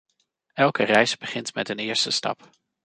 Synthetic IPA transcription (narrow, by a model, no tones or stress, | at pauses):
ɛlˠkərɛjzbəχɪntmɛtənɪːɹstəstɑ̰p